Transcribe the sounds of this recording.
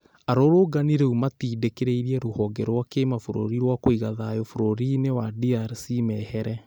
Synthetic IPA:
aɾoɾoɡaniɾeumatiːdekeɾeiɾiɛɾohɔɡɛɾwakemafoɾo̰ɾiɾwakoiɣaðajɔfoɾoɾinewadiaɾsimɛhɛɾɛ

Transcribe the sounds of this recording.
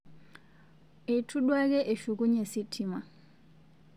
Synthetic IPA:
ɛtʰuɗwaɡɛʔeʃuɡuɲɛsitʰima

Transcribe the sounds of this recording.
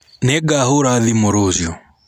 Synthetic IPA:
nɛɡaɦuɾaðimuɾuzjɔ

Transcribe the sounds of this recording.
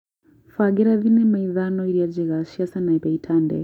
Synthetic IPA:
faɡɛɾaðinɛmaiðanɔiɾiad͡ʒɛɣaʃiasanaibɛitʰandɛ̰

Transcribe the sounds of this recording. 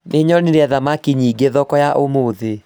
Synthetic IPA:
neɲɔniɾɛðamakiɲiːɡeðɔkɔjaʔomoːðe

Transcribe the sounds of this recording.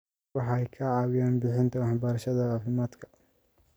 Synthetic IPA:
wɑħɑɛjkʰɐʕɑːwɪjaːnbɪħɪnt̪ʰɐwɑħbɐɾɐʃɐðɐaːfɪmaːd̪kʰɐ̥

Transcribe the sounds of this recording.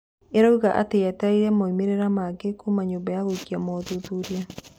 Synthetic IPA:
eɾauɣaʔa̰tejataiɾɛmɔimeɾeɾamaɡekumaɲoːmbajaɣoikiamɔðoðuɾja

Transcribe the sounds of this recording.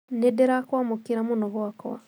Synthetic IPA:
nedeɾakwamokiɾamonɔɣwakɔ̰a̰

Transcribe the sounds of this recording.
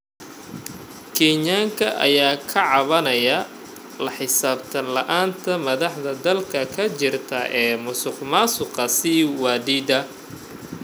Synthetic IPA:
kʰɛɲaːŋkʰɐʔɐ̰jaːkʰɐʕɑβɐnɐjɐ | lɐħɪsaːbt̪ʰɐlɐʔaːnt̪ʰɐmɐðɑħðɐd̪ɐlkʰɐkʰɐt͡ʃɪrt̪ʰɐʔɛːmʊsʊqmaːsʊqɑsiwaːd̪iːd̪ɐ

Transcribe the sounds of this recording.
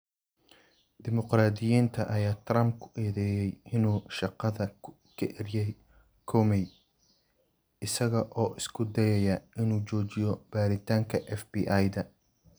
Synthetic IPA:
d̪ɪmʊqraːd̪ɪjiːnt̪ʰɐʔɐjaːt̪ʰrɐmb̚kʰʊ̥ʔɛːðɛːjɛjɪnuːʃɑqɑðɐ | kʰɐʔɛrjɛj | kʰɔːmɛj | ɪsɐɣɐʔɔːʔɪskʰʊd̪ɛjɐjɐɪnuːt͡ʃɔːt͡ʃɪjɔb̥aːɾɪt̪ʰaːŋkʰɐʔɛfbiʔajd̪ɐ

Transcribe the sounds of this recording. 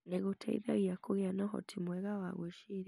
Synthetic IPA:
neɣutʰaḭða̰ɣiakuɣjanɔɦɔ̰tʰimwɛɣawaɣweʃiɾi

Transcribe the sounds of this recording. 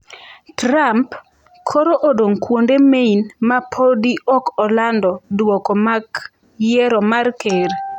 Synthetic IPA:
tɾamp | kʰɔɾoʔodoŋkwondemeinmapʰɔdiʔɔkɔlandɔdwɔkɔmak | jɛɾɔmarkʰeɾ

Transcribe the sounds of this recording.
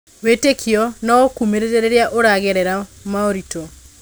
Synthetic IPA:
wetekʰiɔnɔokumeɾeɾeɾeɾjaʔoɾaɣɛɾɛɾamaoɾito

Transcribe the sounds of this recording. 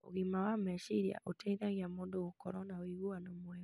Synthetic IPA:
o̰ɣimawamɛʃiɾia̰ʔotɛiðaɣiamoːndoɣokɔɾɔnaoiɣuwanamwɛ

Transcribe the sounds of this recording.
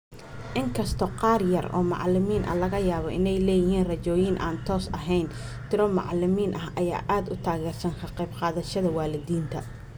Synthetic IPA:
ʔɪŋkʰɐst̪ʰɔqɑːrjɐrɔ̰ːmɑ̰ʕlɪmiːnʔɐ̰lɐɣɐjaːβɔʔɪnɛjlɛːjɪɦiːnrɐt͡ʃɔːjɪnʔa̰ːnt̪ʰɔːsɐ̰ɦɛjn | t̪ʰɪɾɔmɑ̰ʕlɪmiːnʔɐɦʔɐja̰ːʔaːd̪ʊt̪ʰaːɣɛːrsɐŋkʰɐqejbqɑːðɐʃɐðɐwaːlɪdiːnt̪ʰɐ

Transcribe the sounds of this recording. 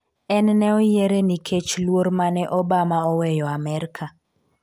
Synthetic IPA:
ɛnnɛɔjeɾenikʰet͡ʃlwormanɛʔɔbamaɔwɛjɔamɛɾkʰa

